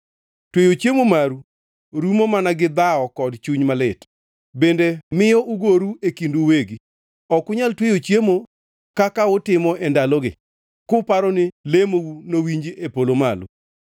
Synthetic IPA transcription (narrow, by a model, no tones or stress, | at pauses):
twejot͡ʃjemomaɾu | ɾumomanaɡɪd̪aɔkɔdt͡ʃuɲmalɪt | bendemɪjɔʔuɡoɾuekinduweɡi | ɔkʊɲaltwejot͡ʃjemo | kakaʊtɪmɔʔɛndalɔɡɪ̰ | kʊpaɾɔnɪlemounowiɲd͡ʒiʔepolomalṵ